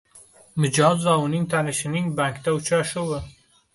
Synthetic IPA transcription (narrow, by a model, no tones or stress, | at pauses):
mɪd͡ʒɒzvaʊnɪŋt̪ʰanɪʃɪnɪŋbaŋkd̪aʊt͡ʃʰaʃʊwə